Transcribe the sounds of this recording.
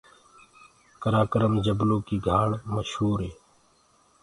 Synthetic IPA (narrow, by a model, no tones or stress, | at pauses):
kəɾaːkəɾəmd͡ʑəblõːkiːɡʱaːɽməʃhuːɾɦeː